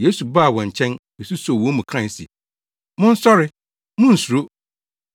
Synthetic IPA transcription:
je˦su˨ba˦˨wɔ̃˨ɲ˨t͡ɕʰɛ̃˦n | e˨su˦sɔ˨wɔ̃˨˦mũ˨kʰɾã˦˨sḭ˨ | mʊ̃˦n̩˦sɔ˦ɾɪ˦ | mʊ̃˦n̩˨su˨ɾo˦

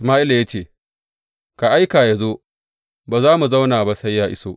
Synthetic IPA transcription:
ʔɪsmaː˦ʔi˦lja˦t͡ʃeː˦˨ | ka˨ʔa˦jkaː˨ja˦zoː˦ | baː˨zaː˦mu˨za˦wnaː˨ba˦sɐ˦jːaː˦ʔɪ˦soː˦ʔ

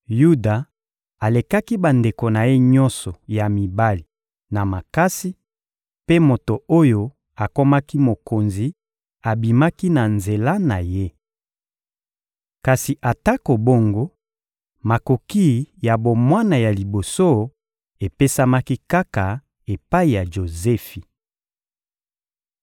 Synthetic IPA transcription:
ju˦da˨ | a˨le˨ka˦ki˦ba˨nde˨ko˨na˨je˦ɲɔ˦nsɔ˨ja˨mi˨ba˦li˨ | na˨ma˨ka˦si˦ | pe˦mo˨to˨o˦jo˦ | a˨ko˦ma˦ki˦mo˨ko˨nzi˨ | a˨bi˨ma˦ki˦na˨nze˨la˦na˨je˦ | ka˨si˨ʔa˨ta˦ko˨bo˦ŋɡo˦ | ma˨ko˨ki˦˨ja˨bo˨mwa˦na˨ja˨li˨bo˨so˦ | e˨pe˦sa˦ma˦ki˦ka˦ka˨ | e˨pa˦i˨ja˨ʒo˨zɛ˦fi˨

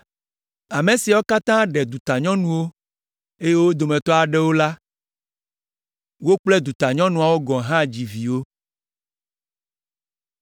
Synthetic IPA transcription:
a˨me˨si˨a˨wo˦ka˦t̪ã˦ɖɛ˨d̪u˨t̪a˨ɲɔ̃˦nũ˨wo˦ | e˦je˦wo˦d̪o˨mɛ̃˨t̪ɔ˦a˨ɖɛ˦wo˦la˦ | wo˦k͡plɛ˦d̪u˨t̪a˨ɲɔ̃˦nũ˨a˨wo˦ɡɔ̃˨ɦã˦˨d͡ʑi˨vi˨wo˦

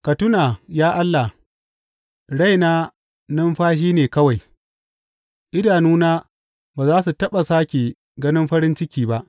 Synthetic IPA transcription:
kɐ˨tʊ˦naː˨jaː˦ʔa˦lːa˨h | ɽa˦jnaː˦ | nɐ˦mɸaː˦ʃ̬iː˦neː˨kɐ˦wa˨j | ʔɪ˦daː˨nuː˦naː˦ | baː˨zaː˦s̬u˨tɐ˦ɓa˨saː˦kʲeː˨ | ɡɐ˦nɪ˦mɸɐ˦ɾɪ˦nt͡ʃɪ˦kʲiː˦ba˦ʔ

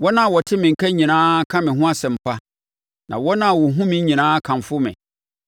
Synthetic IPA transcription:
wɔ˦nã˦˨wɔ˨tʰɪ˦mɪ̃˨ŋ̩˨kʰæ˦ɲĩ˨nãː˦kʰã˦mɪ̃˨ɦʊ̃˦a˦sɛ̃˨m̩˨pʰa˦ | nã̰˨wɔ˦nã˦˨wɔ˨ɦũ˦mɪ̃˦ɲĩ˨nãː˦kʰã˨m˨fʊ˦mɪ̰̃˨

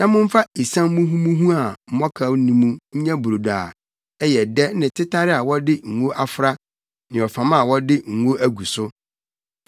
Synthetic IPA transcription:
nã˦mʊ̃˦m̩˦fa˦i˨sã˦mː˦ũ˦ɦũ˦mũ˦ɦũ˦a˨m̩˦mɔ̃˦kʰa˨˦nĩ˦mũ˦ɲ̩˦ɲã˦bu˨ɾo˨daː˨ | ɛ˦jɛ˨dɛ˦nɪ̃˨tʰɪ˦tʰa˦ɾɪ˦a˨wɔ˦dɪ˦ŋ̩˨wo˦ʔa˦fʊ˨ɾa˦ | nɪ̃˨ɔ˨fã˨mã˦a˨wɔ˦dɪ˦ŋ̩˨wo˦ʔæ˦ɡu˨sʊ˦

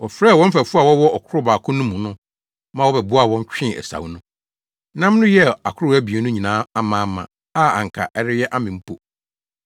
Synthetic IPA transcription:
wɔ˨fɾɛː˦˨wɔ̃˦m̩˦fæ˨fu˦a˨wɔ˦wɔ˦ɔ˨kʰʊ˦ɾʊ˦baː˨kʰʊ˦nʊ̃˦mũ˨nʊ̃˦ | mã˨wɔ˦bɛ˨bʊ˦a˦˨wɔ̃˦ɲ˦t͡ɕᶣɪ̃˦˨ɛ̰˨sa̰˨wnʊ̃˦ | nã˦m˦nʊ̃˦jɛ˦˨a̰˨kʰʊ˦ʊ˦æ˦bi˨e˨˦nʊ̃˦ɲĩ˨nãː˨˦a˦mãː˨˦mã̰˨ | a˦a̰˨ŋ̩˨kʰa̰˨ʔɛ˦ɾɪ˦jɛ˦ʔa˦mɪ̃˨m̩˦pʰo˨

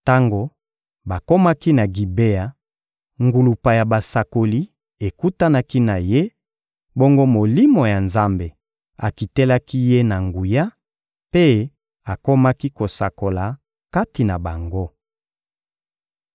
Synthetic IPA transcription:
ta˦ŋɡo˦ | ba˨ko˦ma˦ki˦na˨ɡi˨be˦ja˨ | ŋɡu˨lu˨pa˨ja˨ba˨sa˨ko˨li˦ | e˨ku˦ta˦na˦ki˦na˨je˦ | bo˦ŋɡo˦mo˨li˦mo˨ja˨nza˦mbe˨ | a˨ki˨te˦la˦ki˦je˦na˨ŋɡu˨ja˦ | pe˦ | a˨ko˦ma˦ki˦ko˨sa̰˨ko˨la˨ | ka˦ti˨na˨ba˨ŋɡo˦

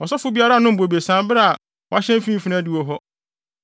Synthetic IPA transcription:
ɔ˨sɔ˦fʊ˦bi˦a˦ɾa˦˨nʊ̃˦m̩˨bo˨be˨sã˨mbɪ˦ɾa˦˨a˨ | wɔ˦a˦ɕɛ̃˦m˦fĩ˦m˦fi˦nã˦di˦wo˦ɦɔ˦

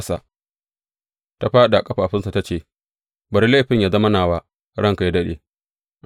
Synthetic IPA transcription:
sa̰˨ | ta˦ɸaː˦ɗa˨kʼɐ˦ɸaː˨ɸɪ˦nsa˨ta˦t͡ʃeː˦˨ | bɐ˨ɾi˦le˦˨ɸɪ˦ɲjaː˨zɐ˦ma˦naː˨wa˦ | ɽɐ˦ŋka˨ja˦dɐ˦ɗḛ˨

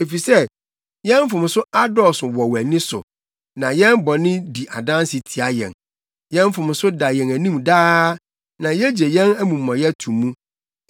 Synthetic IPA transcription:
e˨fi˨sɛ˦ | jɛ̃˦m˦fʊ̃˨m̃˨sʊ˦a˦dɔ˦˨sʊ˨wɔ˨wæ˨nɪ̃˦sʊ̰˨ | nã˨jɛ̃˦nbɔ˨nɪ̃˦di˨ʔa˨dã˦n˦sɪ˨tʰi˨a˦jɛ̰̃˨n | jɛ̃˦m˦fʊ̃˨m˨sʊ˦da˨jɛ̃˨næ˨nĩ˦mdaː˦ | nã˨jɛ˦d͡ʑe˨jɛ̃˦næ˦mũ˨mːã˨jɛ˦tʰũ˨mːũ˦

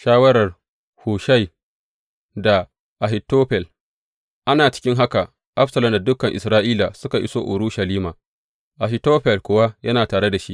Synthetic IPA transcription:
ʃaː˦wɐ˦ɾɐ˨r | huː˨ʃa˦j | da˨ | ʔa˨ɦɪ˨tːoː˦ɸɛ˨l | ʔa˦naː˨t͡ʃɪ̥˦kʲɪ˦ŋɦa˦ka˨ | ʔa˦ɸsɐ˨lɐ˨mda˨dʊ˦kɐ˨ŋʔɪ˨sɾaː˦ʔiː˦laː˨sʊ˦ka˨ʔɪ̰˦soː˦ʔʊ̰˨ɾu˦ʃa˨liː˦maː˨ | ʔa˨ɦɪ˨toː˦ɸɛ˨lkʷoː˨wa˦jɐ˦naː˨taː˨ɽe˦da˨ʃi˦ʔ

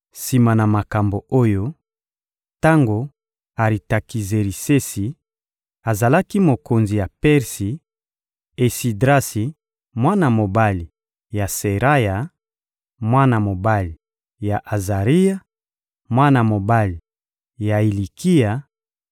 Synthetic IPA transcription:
si˨ma˨na˨ma˨ka˨mbo˨o˦jo˦ | ta˦ŋɡo˨ | a˨ʁi˨ta˨ki˨ze˨ɾi˨se˦si˨ | a˨za˨la˦ki˦mo˨ko˨nzi˨ja˨pɛ˦ʁsi˨ | e˨si˨dʁa˦si˨ | mwa˦na˨mo˨ba˦li˨ | ja˨se˨ʁa˦ja˨ | mwa˦na˨mo˨ba˦li˨ | ja˨ʔa˨za˨ʁi˦ja˦ | mwa˦na˨mo˨ba˦li˨ | ja˨i˨li˨kʰi˦ja˨

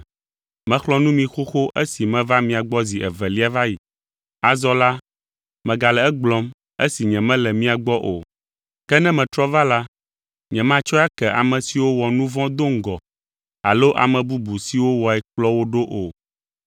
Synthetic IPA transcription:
mɛ̃˨xlɔ˦nũ˦mĩ˨xo˦xo˦ʔe˦si˨mɛ̃˦va˦mĩ˨a˨ɡ͡bɔ˦zi˨ʔɛ˨vɛ˨li˦a˦va˦ji˨ | a˨zɔ˦la˦ | mɛ̃˨ɡa˨lɛ˨ɛ˦ɡ͡blɔ˦m | e˦si˨ɲɛ̃˨mɛ̃˦lɛ˨mĩ˦a˨ɡ͡bɔ˦ʔo˨ | kɛ˦nɛ̃˦mɛ̃˨t̪ɾɔ˦va˦la˦ | ɲɛ̃˨mã˦t͡ʃɔ˦a˦kɛ˨ʔa̰˨mɛ̃˨si˨wo˦wɔ˨nũ˦vɔ̃˦d̪o˦ŋ̩˦ɡɔ˨ | a˨lo˦ʔa̰˨mɛ̃˨bu˦bu˨si˨wo˦wɔ˨ɛ˨k͡plɔ˦wo˦ɖo˦ʔo˨

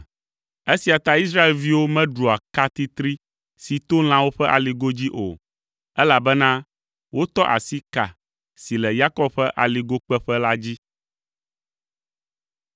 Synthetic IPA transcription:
e˦si˨a˨t̪a˦i˦s̬ɾa˦e˨lvi˦wo˦mɛ̃˦ɖu˨a˨ka˦t̪i˦t̪ɾi˦ | si˨t̪o˦l̃ã˦wo˦ɸɛ˦ʔa˨li˨ɡo˦d͡ʑi˦ʔo̰˨ | ɛ˦la˨bɛ˦nã˦ | wo˦t̪ɔ˦ʔa̰˨si˦ka̰˨ | si˨lɛ˨ja˦kɔ˦bɸɛ˦ʔa˨li˨ɡo˦k͡pɛ˦ɸɛ˦la˦d͡ʑi˦

